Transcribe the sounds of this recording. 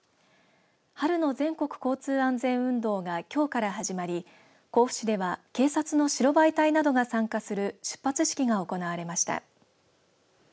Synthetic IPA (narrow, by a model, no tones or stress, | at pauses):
haɾɯ̟no̞zẽ̞ŋko̞kɯ̥ko̞ːt͡sɨːãnd͡zẽ̞ɰ̃ɯ̟̃nd̪o̞ːɡakʲo̞ːkaɾaɦaʑimaɾʲi | ko̞ːɸɯ̟̥ɕid̪e̞βake̞ːsat͡sɨno̞ɕiɾo̞bait̪ainad̪o̞ɡasãŋkasɨɾɯ̟ɕɨ̥pːat͡sɨɕi̥kʲiɡao̞ko̞naβaɾe̞maɕi̥t̪a̰